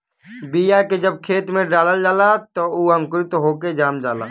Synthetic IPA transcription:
bijaked͡ʒəb̚kʰeːt̪mẽɖaːləld͡ʒaːlat̪ouːəmkʊɾit̪oɦoːked͡ʒaːmd͡ʒaːla̰ː

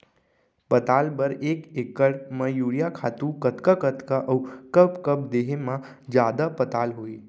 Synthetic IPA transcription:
pət̪aːlbəɾeːkekəɽmãjuːɽijakʰaːt̪ũkət̪kakət̪kaʔəukəbkəbd̪eɦemã | d͡ʒjaːd̪apət̪aːlɦoːe

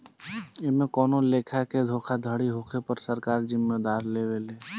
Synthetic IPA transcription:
ɪmẽkɔːnoleːkʰaked̪ʱoːkʰad̪ʱəɽiɦokʰepəɾsəɾkaːɾd͡ʒɪmːed̪aːɾleːweleː

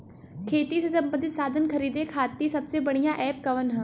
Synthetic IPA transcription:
kʰeːt̪isesɐ̃mbə̃nd̪ʱɪt̪saːd̪ʱənkʰɐɾiːd̪ekʰaːt̪ːisɐbsebɐɽ̤̃ijãʔɛːp̚kɐʋənɦɐ

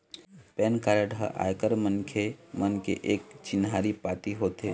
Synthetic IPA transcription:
pɛːnkaːɾəɖɦə̰ʔa̰ːjkəɾmənkʰemənkḛʔeːk̚t͡ʃɪnɦaːɾipaːt̪iɦoːt̪e

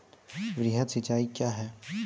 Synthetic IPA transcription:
ʋɾiɦət̪sɪt͡ʃaːikjaːɦɛː

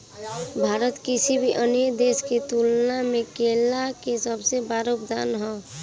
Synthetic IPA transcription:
bʱaːɾət̪kɪsibʱiʔənjəd̪eːskit̪uːlnamẽkeːlakesəbsebaːɾoʊpd̪a̰ːnɦɔː

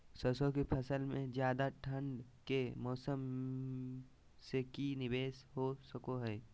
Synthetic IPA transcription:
səsõkepʰɐsəlmẽzjaːd̪aʈʰə̃ɳɖkemɔːsəm | sekinɪbeːsɦosəkoɦɛː

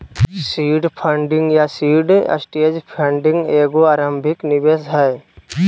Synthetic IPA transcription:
siːɖpʰəɳɖɪ̃ŋɡjasiːɖə̰sʈeːd͡ʒpʰə̃ɳɖɪ̃ŋɡeːɡoaːɾə̃mbʱɪknɪʋeːsɦɛː

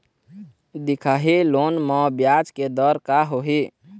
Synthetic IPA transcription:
d̪ikʰaɦilonmɔ̃bjad͡ʒked̪əɾkaɦoɦi

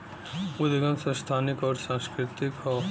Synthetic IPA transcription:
ud̪ɪɡəmsɐ̃st̪ʰaːnɪkɔːɾsãːskɾɪt̪ɪkɦɔː

